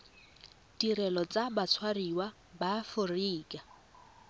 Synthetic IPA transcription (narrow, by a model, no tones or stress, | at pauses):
dirɛlɔt͡sabat͡sʰwariwa | baːfʊriːkʼa